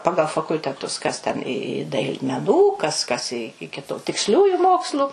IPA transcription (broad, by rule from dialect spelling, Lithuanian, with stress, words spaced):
ˈpɑːɡɐlˠ fɐkʊlʲtʲɛˈtʊs kɐs tʲɛn ɪ ɪ dɐɪlˠ mʲɛˈnuː ˈkɐs ˈkɐs ɪ ɪkʲɪ tʊ tʲɪksʲˈlʲuːjʊ ˈmoːkslˠʊ